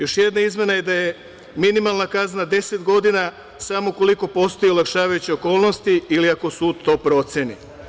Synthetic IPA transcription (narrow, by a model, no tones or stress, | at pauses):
jo̞ʃjed̪naizmje̞naje̞d̪aje̞ | minimalˠnakaznad̪e̞set̪ɡo̞d̪ina | samoko̞liko̞po̞st̪ojiulakʃaːʋajut͡ɕioko̞ːlˠno̞st̪iiliako̞suːd̪t̪o̞ːpɾo̞t̪sjenḭ